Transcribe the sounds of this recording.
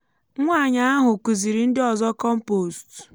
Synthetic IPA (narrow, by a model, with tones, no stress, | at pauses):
ŋʷa˦˨ɲa˨˦a˦ɦʊ˨kʷu˨zi˨ɾi˨n̩˦dɪ˦ɔ˨zɔ˦kɔ˦m̩˦po˨st